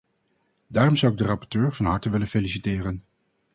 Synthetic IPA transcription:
daːrɔmzʌwɪɡ̚dərɑpɔɹtøːɹvɑnɦɑɹtəʋɪlənfelisitɪːrən

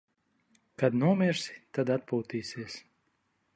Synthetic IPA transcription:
kad̪nuɔmʲiɾsi̥t̪ad̪at̪̚puːt̪iːsiɛs

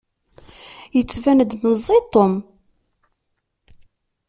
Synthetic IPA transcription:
jət͡sːvænd̪məzˤːit̪ˤːom

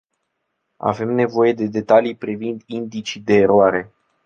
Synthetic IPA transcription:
a̰ve̞mne̞vo̞je̞d̪e̞d̪e̞t̪alijpɾivind̪ind̪it͡ʃid̪e̞ːɾoaɾe̞

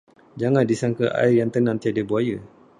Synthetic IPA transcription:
d͡ʒaŋãndisaŋkəʔa̰ɪrjaŋt̪ənãnt̪iadebuajə

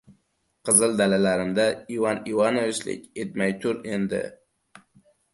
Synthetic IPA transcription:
qʰɨzɨld̪alalaɾɪmd̪aivanivanovɪt͡ʃlɪ̰kʲet̪̚majt̪ʰʊɾend̪ɪ̰

